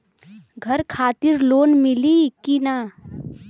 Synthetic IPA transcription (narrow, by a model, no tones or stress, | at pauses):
ɡʱəɾkʰaːt̪iɾloːnmilikina